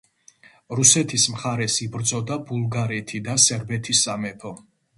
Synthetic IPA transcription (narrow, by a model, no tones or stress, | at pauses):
ɾusɛt̪ʰismχaɾɛsibɾd̪zɔd̪abulˠɡaɾɛt̪ʰid̪asɛɾbɛt̪ʰisamɛpʰɔ